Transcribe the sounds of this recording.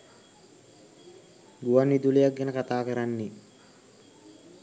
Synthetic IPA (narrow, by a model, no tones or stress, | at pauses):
ɡuwɐnːid̪ulijaɡːɛnəkat̪aːkəɾanːi